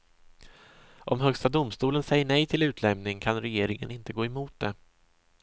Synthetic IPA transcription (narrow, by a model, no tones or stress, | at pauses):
ʔɔmɦœkst̪ad̪ʊmst̪uːlənsɛjːəɳɛjt̪ʰɪlʉ̟ːt̪ʰlɛmnɪŋkʰanɾɛjeːɾɪŋə̰nɪnt̪əɡoːɛmuːt̪̚d̪ɛ